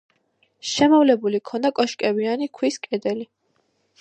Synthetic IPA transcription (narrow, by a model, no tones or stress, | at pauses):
ʃɛmɔvlɛbulikʰɔnd̪akʼɔʃkʼɛbianikʰwiskʼɛd̪ɛli